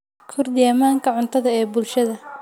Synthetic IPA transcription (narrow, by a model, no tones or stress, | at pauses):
kʰʊrd̪ɪɛmaːŋkʰɐʕʊnt̪ʰɐðɐɛːbʊlʃɐðɐ